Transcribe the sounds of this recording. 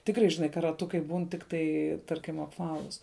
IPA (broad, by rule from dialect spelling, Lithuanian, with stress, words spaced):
ˈtʲɪkrɐɪ ʒʲɪˈnɐɪ kɐ rɐˈtʊkɐɪ ˈbuːn ˈtʲɪktɐɪ ˈtɐrʲkʲɪm ɐpˈʋɑːlˠʊs